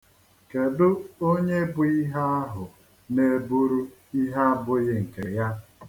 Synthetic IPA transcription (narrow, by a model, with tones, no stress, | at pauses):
ke˨dʊ˦o˦ɲe˦bʊ˨˦i˦ɦa˦a˦ɦʊ˨ | ne˨bu˦ɾu˦ | i˦ɦa˦a˦bʊ˦ɣɪ˦ŋ̩˨ke˨ja˦